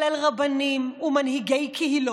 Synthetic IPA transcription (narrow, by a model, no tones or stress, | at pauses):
lalʁabanimumanhiɡejkʰehilo